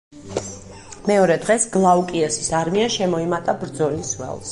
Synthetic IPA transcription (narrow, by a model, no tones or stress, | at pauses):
mɛɔɾɛd̪ʁɛsɡ̥lˠaukʼiɛsisaɾmiaʃɛmɔimat̪ʼabɾd̪zɔliswɛ̰lˠs